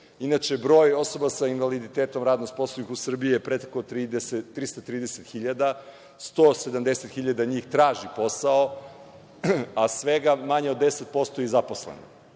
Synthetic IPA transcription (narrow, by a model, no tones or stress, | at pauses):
inat͡ʃe̞bɾo̞ːjo̞so̞basainʋalid̪it̪eːt̪omɾaːd̪nost̪̚poslˠonixusr̩bijiepɾet̪e̥kot̪ɾid̪eseɾist̪at̪ɾiːd̪eset̪xiʎad̪a | st̪osed̪amd̪eset̪xiʎad̪aɲiːxt̪ɾaːʒipo̞sao | asʋeɡamaɲeo̞d̪ːeset̪̚po̞st̪ojizaposlḛno̰